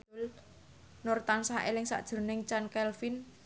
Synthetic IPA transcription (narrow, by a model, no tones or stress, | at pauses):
l | nɔrt̪ansaelɪŋsa̰ʔd̥ʒ̥ə̤nɪŋt͡ʃankɛlfin